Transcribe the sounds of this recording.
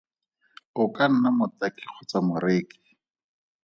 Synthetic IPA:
ʊkan̩namʊtakik͡xʰʊt͡samʊreːki̥

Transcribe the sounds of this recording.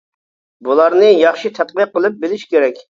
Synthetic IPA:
bulˠɑɾnɨjɑχʃit̪ʰɛt̪̚qəqːəlˠɨp̚bɪlɪʃkʲʰeɾɛkʲ

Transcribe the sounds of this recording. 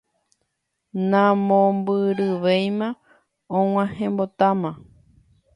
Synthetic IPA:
nãmõmbɨɾɨʋejmã | õw̃ãhẽmbot̪amã

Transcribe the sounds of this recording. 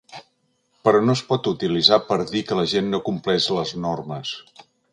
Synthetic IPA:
pəɾɔnospɔt̪ut̪ilizapəɾðikələʒenːokumplɛzləznorməs

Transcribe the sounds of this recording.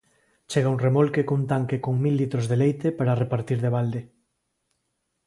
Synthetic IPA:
t͡ʃeɣauŋremolkekunt̪aŋkekoŋmilːit̪ɾozðelejt̪epaɾarepaɾt̪iɾðeβ̞ald̪e

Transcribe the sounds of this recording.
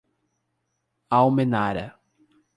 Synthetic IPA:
awmenaɾɐ̰

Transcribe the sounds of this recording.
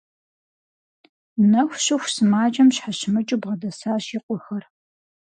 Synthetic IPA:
nɐxʷɕɪxʷsɨmaːt͡ʃʼɐmɕħaɕɪmɨt͡ʃʼubʁɐdɐsaːɕiːqʷʼʊxɐr

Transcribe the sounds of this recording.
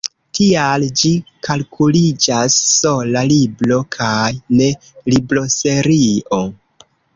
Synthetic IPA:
tʰiald͡ʒikalkʰulid͡ʒasːo̞laliblo̞kʰajne̞ | liblo̞se̞ɾio

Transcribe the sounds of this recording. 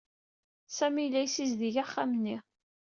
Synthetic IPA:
sæmilːæjsizðiʝaχːamnːi

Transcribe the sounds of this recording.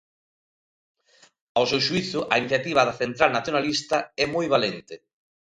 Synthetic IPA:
awsewʃuiθʊʔainiθjat̪iβ̞ɐðɐθent̪ɾalnaθjonalist̪ɐɛmojβalent̪ɪ

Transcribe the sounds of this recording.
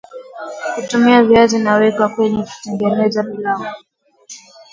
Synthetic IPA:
kutumiaviazinawɛkakwɛɲɛku̥tɛŋɡɛnɛzaɓilaŋɔ

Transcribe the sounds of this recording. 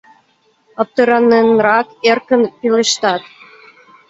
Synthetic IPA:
əp̚t̪əɾɑnːenrɑkerkənpeleʃt̪ɑt̪

